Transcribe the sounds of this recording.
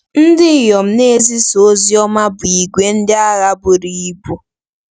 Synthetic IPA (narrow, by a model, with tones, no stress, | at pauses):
n̩˦dɪ˦˨jɔ˨m̩˦ne˦zi˦so˦zi˦ɔ˦ma˦bʊ˨i˨ɡʷe˦n̩˦dɪ˦a˦ɣa˦bʊ˨ɾi˨i˦bu˦